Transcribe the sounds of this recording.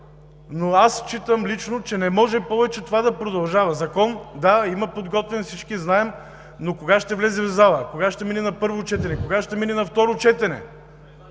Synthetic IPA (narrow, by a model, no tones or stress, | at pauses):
noast͡ʃit̪əmlit͡ʃnot͡ʃɛnɛmɔʒɛpɔvɛt͡ʃɛt̪ovad̪ɐpɾod̪ɐlˠʒavɐzɐkɔnd̪aimɐpod̪ɡɔt̪vɛnfsit͡ʃkiznaɛm | nokoɡaʃt̪ɛvlɛzɛvzalˠəkoɡaʃt̪ɛmininɐpɤɾvot͡ʃɛt̪ɛnɛkoɡaʃt̪ɛmininɐft̪ɔɾot͡ʃɛt̪ɛnɛ̰